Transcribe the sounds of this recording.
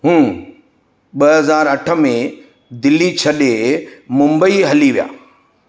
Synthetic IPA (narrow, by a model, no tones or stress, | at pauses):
ɦũː | ɓɐɦɐzaːɾɐʈʰə̆mẽ | d̪ɪlːit͡ɕʰɐɗemʊ̃mbəiɦɐliʋija̰ː